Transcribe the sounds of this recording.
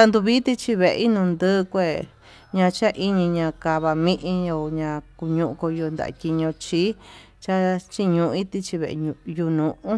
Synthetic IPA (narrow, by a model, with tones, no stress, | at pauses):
t̪a˧nd̪u˧βi˦t̪i˧t͡ʃi˧βe˨ʔḛ˧i˦nũ˧nd̪ɨː˦˧kʷe˦˨ | ɲã˧t͡ʃa˦ʔi˦ɲĩ˧ɲã˧ka˧βa˧mĩ˦ʔĩ˧ɲo˧ɲã˧ku˧ɲũ˧ʔũ˧ko˧ju˧nd̪a̰˨a̰˧kʲi˧ɲõ˧t͡ʃi˦ | t͡ʃa˦t͡ʃi˦ɲũ˧˨˧i˦t̪i˧t͡ʃi˧βḛ˨ʔju˧nũ˨˧ʔũ˦